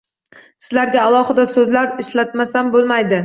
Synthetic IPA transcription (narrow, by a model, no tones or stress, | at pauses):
sɪzlaɾɡʲaːlˠɒhɨd̪asɵzlaɾɪʃlat̪masanbolˠmajd̪ɪ